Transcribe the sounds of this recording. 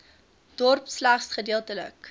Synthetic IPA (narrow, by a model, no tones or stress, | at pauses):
d̥ɔrpslæχsχədiːəlˠtələ̰k